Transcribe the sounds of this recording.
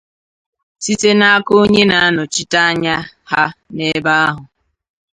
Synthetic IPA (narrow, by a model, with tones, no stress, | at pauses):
si˦te˦na˦a˦ko˦ɲe˦na˨˦a˦nʊ˨t͡ʃi˦ta˦a˦ɲa˦ha˦ne˦ba˦a˦ɦʊ˨